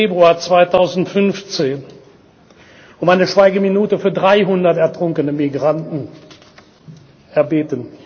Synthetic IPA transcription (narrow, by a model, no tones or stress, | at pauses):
eːbʁuaːɐt͡sv̥aɪtʰaʊzn̩tfʏnft͡seːn | ʊmaɪnəʃv̥aɪɡəminuːtəfyːɐdʁaɪɦʊndɐtɛɐtʁ̥ʊŋkənəmiɡʁantn̩ | ʔɛɐbeːtən